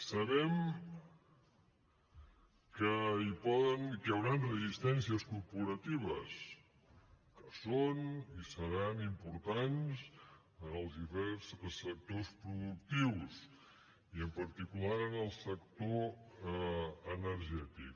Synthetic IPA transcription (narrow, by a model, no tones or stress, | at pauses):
səβɛm | kəipɔðənkjəwɾanrəzist̪ɛnsiəskuɾpuɾət̪iβ̞əs | kəsonisəɾanimpuɾt̪anz | ənəlˠzðifɛɾssək̚t̪ospɾuðuk̚t̪iws | iəmpəɾt̪ikulaɾənəlˠsəkt̪o | ənəɾʒɛt̪ik